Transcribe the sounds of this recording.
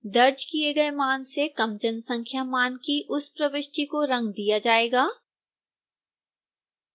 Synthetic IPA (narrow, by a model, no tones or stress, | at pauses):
d̪ɐɾd͡ʒkijeɡɐemaːnsekɐmd͡ʒənsɐ̃ŋkʰjamaːnkiʔʊspɾɐʋɪʃʈikoɾɐ̃ŋɡd̪ijad͡ʒaːeːɡaː